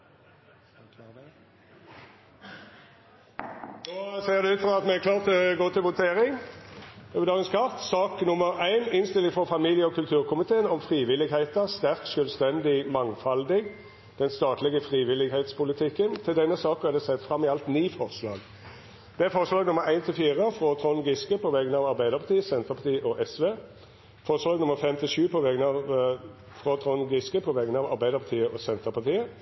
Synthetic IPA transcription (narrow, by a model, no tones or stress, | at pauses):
kʰlɑːʁə | noːseːʁd̪ɛʉːt̪fʁɑːɑt̪mɛækʰlɑːʁt̪ɡoːt̪ʰɪlʋʊt̪ʰeːɾɪŋ | øbəd̪ɑːɡənskʰɑʁt̪sɑːknʊməʁæɪnɪnst̪ɪlːɪŋfɔfɑmiːljəɔkʰʉlt̪ʰʉːʁkʰʊmɪt̪ʰeːənɔmfʁiːʋɪlːɪɡhæɪt̪əʁst̪æʁkʃœlst̪ɛnd̪ɪmɑŋfɑld̪ɪɡ | d̪̥ɛnst̪ɑːt̪lɪɡəfʁiːʋɪlːɪɡheɪt̪spʊlɪt̪ʰɪkːənt̪ʰɪld̪ɛnːəsɑːkəɛd̪ɛsɛt̪ːfʁɑmːɪɑlt̪niːfɔʁslɑ̰ːɡ | d̪̥ɛæfɔʁəslɑːɡnʊmːəɾæɪnt̪ʰɪlfiːʁəfʁɔt̪ʰʁɔnɡɪskəpʰɔʋɛɡənɑːʋɑʁbæɪd̪əʁpʰɑt̪ʰiːəsɛnt̪əʁpɑt̪ʰiːəʔɔʔɛsʋeː | fɔʁəslɑːɡnʊmːəʁfɛmt̪ʰɪlʃʉːpʰɔʋɛɡənɑ | fʁɔt̪ʰʁɔnɡɪskəpʰɔʋɛɡənɑːʋɑ̰ʁbæɪd̪əʁpɑt̪ʰiːəʔɔsɛnt̪əpɑʁt̪ʰiːə